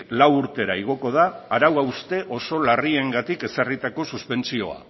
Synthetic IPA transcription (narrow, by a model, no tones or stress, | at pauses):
lawuɾt̪e̞ɾaiɣ̞o̞ko̞ð̞aːɾawawust̪e̞ʔo̞so̞larie̞ŋɡat̪ike̞sarit̪ako̞suspe̞nt͡sio̞̰a̰